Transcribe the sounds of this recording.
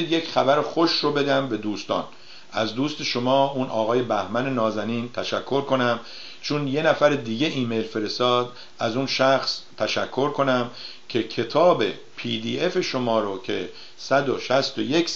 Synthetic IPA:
d̪jecχæbæɾexo̞ʃrobe̞d̪æmbe̞d̪uːst̪ɒ̰ːn | æzd̪uːst̪e̞ʃomɒːunʔɒ̰ːɣɒːje̞bæhmæne̞nɒːzæniːnt̪ʰæʃækʰːo̞ɾkʰo̞næm | t͡ʃʰunjenæfæɾed̪iːɟe̞ʔiːmejlfe̞ɾest̪ɒːd̪ | æzunʃæxst̪ʰæʃækʰːo̞ɾkʰo̞næm | cʰe̞cʰe̞t̪ʰɒːbe̞̰ | pʰiːd̪iːe̞fe̞ʃo̞mɒːɾocʰe̞ | sæd̪oʃæst̪ojek

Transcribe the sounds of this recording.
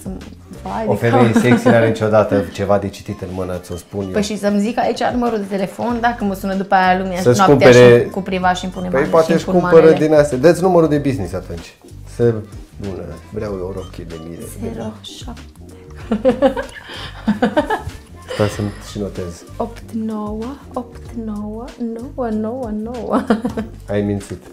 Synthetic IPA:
səm | vaofemejeseksiaɾnit͡ʃod̪at̪ət͡ʃe̞vad̪et͡ʃi̥t̪it̪ɨnmɨnəsospunpəʃisəmzikait͡ʃanuməɾuld̪e̞t̪e̞le̞fo̞nd̪akəməsunəd̪upajalumeasəsnakumpeɾekupɾivaʃimpunempjpoat̪eʃukumpaəɾəd̪inast̪ad̪ət̪sʲnuməɾud̪e̞biznisat̪unt͡ʃʲ | səbunə̰vɾeawjoɾopkʲed̪ḛmḭd̪ḛeɾoʃap̚ | t̪e | t̪asunt̪ʃino̞t̪ez | opt̪nowə | opt̪nowənowəno̞wənowə̰ | ajmint̪sit̪

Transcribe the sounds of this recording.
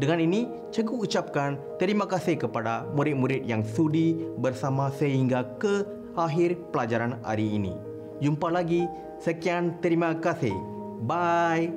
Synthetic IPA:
dəŋãnini | t͡ʃəɡuːt͡ʃap̚kant̪əɾimakasikəpadamuɾɪt̪̚muɾɪt̪̚jaŋsudibərsamãsəɦiŋɡakə | aɦirpəlad͡ʒaɾana̰ɾiːnḭ | d͡ʒumpalaɡi | səkiant̪əɾimãkasih | baj

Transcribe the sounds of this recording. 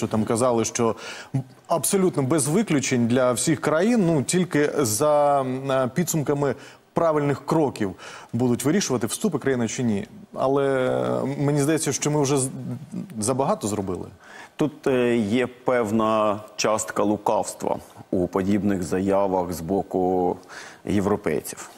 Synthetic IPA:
t͡ʃɔt̪ɑmkɐzɑlˠɪʃt͡ʃɔ | ɐbsɔlʲut̪nɔbɛzʋɪklʲʊt͡ʃenʲd̪lʲɐwsʲixkɾɐjinːutʲilʲkɪzɐ | pʲid̪sʊmkɐmɪ | pɾɑʋʲɪlʲnɪxkɾɔkʲiwbud̪ʊtʲʋɪɾʲiʃʊʋɐt̪ɪwst̪upɪkɾɐjinɐt͡ʃɪnʲḭɐ̰lˠɛ | menʲizd̪ɐjɛt͡sʲsʲːɐʃt͡ʃɔmɪʊʒɛ | zɐbɐɦɑt̪ɔzɾɔbɪ̰lˠɪ̰ | t̪ut̪jɛpɛwnɐt͡ʃɑst̪kɐlˠʊkɑwst̪ʋɐ̰upɔdʲibnɪɣzɐjɑʋɐxzbɔkʊ | jeʋɾɔpɛ̰jt͡sʲi̥w

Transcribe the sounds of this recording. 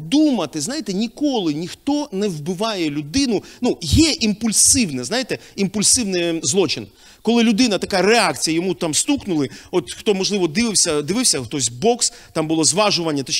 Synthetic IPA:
d̪umɐt̪ɪznajɪt̪ɛnʲikɔlˠɪnʲixt̪ɔnɛwbɪʋɑjɛlʲʊd̪ɪnʊnujɛʔimpʊlʲsɪwnɛznajɪt̪ɛimpʊlʲsɪwnɪjzlˠɔt͡ʃɪn | kɔlˠɪlʲʊd̪ɪnɐt̪ɐkaɾeɑkt͡sʲijɐjɔmut̪amst̪uknʊlˠɪɔt̪xt̪ɔmɔʒlˠɪʋɔd̪ɪʋɪwsʲɐd̪ɪʋɪwsʲɐxt̪ɔsʲbɔks | t̪ɑmbʊlˠɔzʋɑʒʊʋɐnʲːɐt̪ɛ

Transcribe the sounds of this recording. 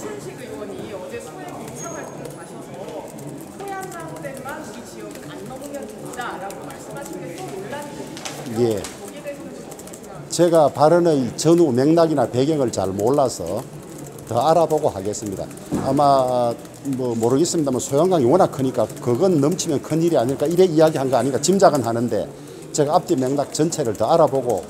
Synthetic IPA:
a | ɡas | je | t͡ɕe̞ɡapaɾɯnejt͡ɕʌnume̞ŋnaɡinape̞ɡjeŋɯɭt͡ɕa̰ɭmoɭːasʰʌ̰ | tʌaɾaboɡohaɡe̞s͈ɯmɲida̰ | ama | mʌmoɾɯɡe̞s͈ɯmɲidamaʌnsʰojoŋɡaŋiwʌnakʰɯɲik͈akɯɡʌnːʌmt͡ɕʰimjʌnkʰɯniɾiaɲiɭk͈aiɾeijaɡiɦanɡʌaɲiŋkat͡ɕimd͡ʑaɡɯnɦanɯnde̞̰ | t͡ɕeɡaːp̚t͡ɕ͈ime̞ŋnak̚t͡ɕʌnt͡ɕʰe̞ɾɯɭtʌaɾaboɡo̰

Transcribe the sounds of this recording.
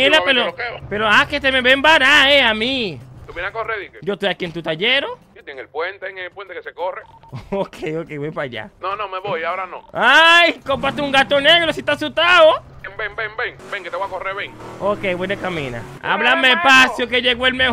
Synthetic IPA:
elapeɾopeɾoaket̪emeβembaɾaeamĩt̪uβjenakoreðiked͡ʒot̪uakjent̪ut̪aʝeɾo | ot̪jeŋelpwent̪eŋepwent̪ekesekore | okʰejokeβojpaʝa̰nonomeβojaoɾano̰ajkompat̪euŋɡat̪oneɣɾosit̪asut̪ao | embeŋbeŋbeŋbeŋket̪eβoakoreɾβeŋokejβojnekamĩna̰a̰βlameepasjokeʝeɣoelme

